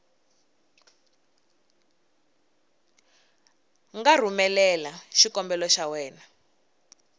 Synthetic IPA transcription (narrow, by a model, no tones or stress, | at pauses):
ŋɡar̤umɛlɛlaʃikɔmbɛlɔʃawɛːna